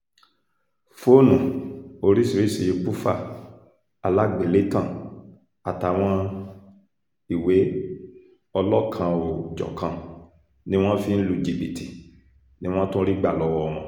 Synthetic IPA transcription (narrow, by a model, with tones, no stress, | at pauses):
fo˦˨nũ˨o˧ɾi˦si˨ɾi˦˨si˧je˨˧k͡pu˦fa̰˦˨ | a˨la˦˨ɡ͡bi˨le˨˦tã˦˨ | a˨ta˨˦˨w̃ɔ̃˧ | i˨we˨˦ | ɔ˧lɔ˦kʰã˧o˨d͡ʒɔ̰˨kʰã˧ | nĩ˦w̃ɔ̃˦fi˧n̩˦lu˧d͡ʒi˨bi˨ti̥˨ | nĩ˦w̃ɔ̃˦tũ˦ɾi˦ɡ͡ba˦˨lɔ˧˦wɔ˧m̃ɔ̃˧˦